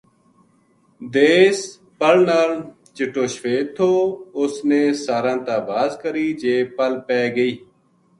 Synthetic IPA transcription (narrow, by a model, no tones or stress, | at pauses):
d̪eːs | pəlnaːl | t͡ʃɪʈoːʃʋeːt̪ʰoːʊsneːsaːɾãːt̪aːbaːzkəɾiːd͡ʒeːpəlpɛːɡəiː